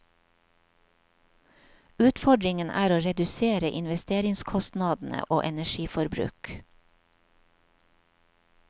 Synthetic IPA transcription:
ʉːt̪fɔɖɾɪŋənʔæ̰ːɾoːɾɛd̪ʉseːɾəʔɪnʋɛst̪eːɾɪŋskʰɔst̪nɑd̪n̩ə̰ʔo̰ːʔɛnæʃiːfɔɾbɾʉ̰ːk

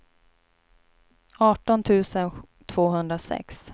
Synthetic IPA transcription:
ɑːʈɔnt̪ʰʉ̟ːsən | t̪ʰv̥oːɦɵnd̪ɾasɛ̰ks

